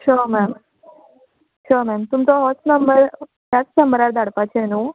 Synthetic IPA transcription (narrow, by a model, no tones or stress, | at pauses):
ʃʰomɛm | ʃomɛmt̪umt̪oɦɔsnəmbəɾ | asnəmbəɾaɾd̪aɽpat͡ʃʰeɛnũ